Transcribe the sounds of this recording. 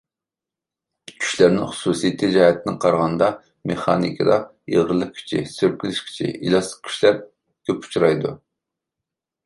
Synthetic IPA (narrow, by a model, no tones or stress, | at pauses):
kʲʰy̥ʃlæɾnɪŋχʊ̥susijt̪ʰɪd͡ʒɑːhɛt̪ʰɪnɪqʰɑɾʁɑnd̪ɑ | meχɑ̰ːnḭkʰəd̪ɑ | jḛʁəɾlˠəkʲʰy̥t͡ʃʰḭsøɾkʲilɪʃkʲʰi̥t͡ʃʰḭʔilˠɑslə̥q̚kʲʰy̥ʃlæɾ | k̪ʲʰøpu̥t͡ʃʰuɾɑjd̪u